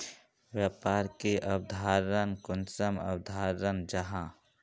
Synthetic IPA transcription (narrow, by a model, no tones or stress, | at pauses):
wjaːpaːɾkeʔɐbd̪ʱaːɾɾənkʊnsəmə̰bd̪ʱaːɾɾənd͡ʒɐɦã